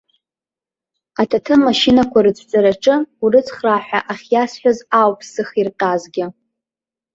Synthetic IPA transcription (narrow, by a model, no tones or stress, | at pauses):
atʰatʰɨmmːaʃinakʷaɾɨt͡sʰt͡sʼaɾaʈ͡ʂʼɨurɨt͡sʰχraħʷᶣaʔaχʲjasħʷᶣazawpʰsɨχirqʲʼazɡʲɪ